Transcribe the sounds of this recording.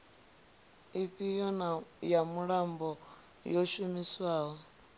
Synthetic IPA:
iɸʼijɔnajamuɺambɔ | jɔʃumiswaːɦɔ

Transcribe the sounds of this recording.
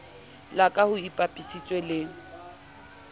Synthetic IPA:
lakʼahʊipʼapʼisit͡sʼwɛlɪ

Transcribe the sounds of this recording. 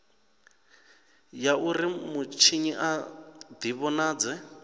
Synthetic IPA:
jaʔurimut͡ʃʰiɲiʔad̪iβɔnaːd͡zɛ

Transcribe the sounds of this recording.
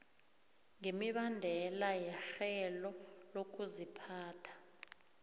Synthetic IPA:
ŋemiɓandʱɛlajɛxɛlɔlok̬ʼuzipʰaːtʰḁ

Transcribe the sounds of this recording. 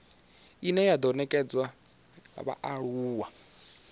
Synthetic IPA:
inɛjad̪ɔnɛkʼɛd͡zwa | a̰βa̰ʔaɺuːwa

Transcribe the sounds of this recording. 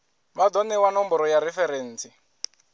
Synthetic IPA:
madɔnɛwanɔmbɔɾɔjaɾɛfɛɾeːn̩ːt͡si

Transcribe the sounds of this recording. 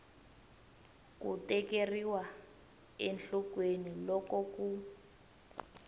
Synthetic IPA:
kutɛkeriwa | enɬɔkwenilɔkɔku

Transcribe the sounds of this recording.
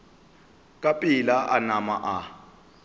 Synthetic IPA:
kʼapʼilaʔanamaʔa

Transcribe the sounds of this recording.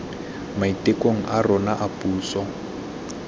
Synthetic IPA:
maitʼekʼoŋ̩ʔarɔnaʔapʼuːsɔ

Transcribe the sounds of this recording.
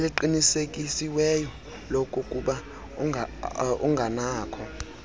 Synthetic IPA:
liǃinisekʼisiwɛjɔ | lɔkʼukʼuɓa | uŋɡʱanaːkʰɔ

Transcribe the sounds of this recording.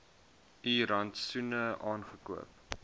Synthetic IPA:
iːɾɐntsunəʔɑːnχəkuəp̚

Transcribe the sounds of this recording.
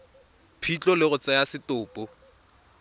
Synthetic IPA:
pʰit͡ɬʼɔlɪɣʊt͡sʼɛjasɪtʊːpʼʊ

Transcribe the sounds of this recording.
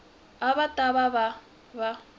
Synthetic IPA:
aβatʼaβaβa | βa

